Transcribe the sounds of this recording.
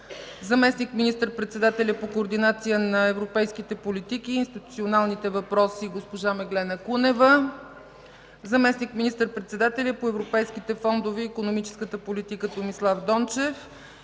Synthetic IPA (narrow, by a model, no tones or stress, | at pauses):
zɐmɛsnikminist̪əɾpɾɛt̪sɛd̪at̪ɛlʲəpokoːɾd̪inat̪sijənɐɛvɾopɛjsk̟it̪ɛpolit̪ikiːnst̪it̪u̥tsionalˠnit̪ɛvɐpɾɔsiɡospoʒamɛɡlɛnəkunɛvə | zɐmɛsnikminist̪əɾpɾɛt̪sɛd̪at̪ɛlʲəpoɛvɾopɛjsk̟it̪ɛfɔnd̪oviːkonomit͡ʃɛ̥skət̪əpolit̪ikət̪omislˠavd̪ɔnt͡ʃɛf